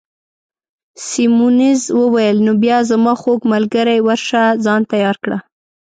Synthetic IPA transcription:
simunizwəwajəlnobjɑzamɑxoɡmalɡaɾajwaɾʃazɑnt̪ajɑɾkɽa

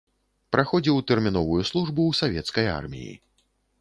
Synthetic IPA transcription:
pɾʔaxɔd͡zʲiwt̪ɛrmʲinɔvujuslˠuʐbuːsavʲɛt̪skɐja̰rmʲḭjḭ

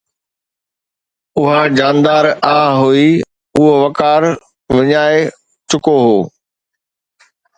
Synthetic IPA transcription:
ʊɦad͡ʑaːnd̪aːɾaːɦui | ʊɦoʋɐkaːɾ | ʋɐɲaːe | t͡ɕʊkoɦoː

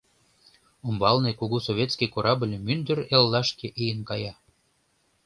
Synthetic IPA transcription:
umbɑlnekuɣusoβʲet̪skikoɾɑblʲmynd̪əɾelːɑʃkeʔejənkɑjɑ

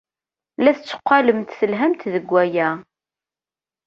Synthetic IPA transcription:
læθət͡sːə̥qʷːɑləmt̪θəlɦæmt̪ðəɡʷːæjæ

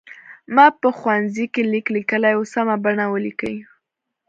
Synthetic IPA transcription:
mɑpəxwanzikeliklikəlajosamabaɳawəlikəj

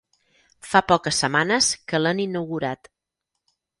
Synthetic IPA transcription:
fapɔkəsːəmanəskələninəwɣuɾat̪

